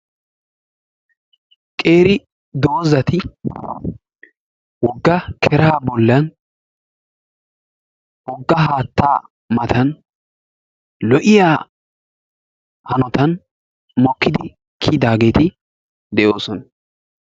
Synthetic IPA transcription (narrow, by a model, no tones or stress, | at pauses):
kʼe̞ːɾɪ | d̪o̞ːzɐt̪ɪ | wɔɡːɐkʰɛɾaaːbɔlːɐn | wɔɡːɐɦaːt̪ːa̰ː | mɐt̪ɐn | lɔʔɪjaː | hɐnɔt̪ɐn | mɔkːɪd̪ɪ | kʰid̪aːɡe̞ːt̪ɪ | d̪ɛʔoːsɔnɐ